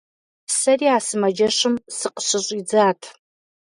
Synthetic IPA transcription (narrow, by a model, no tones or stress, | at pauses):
sɐriːaːsɨmɐd͡ʒɐɕɨmsɨqə̥ɕɪɕʼid͡zaːtʰ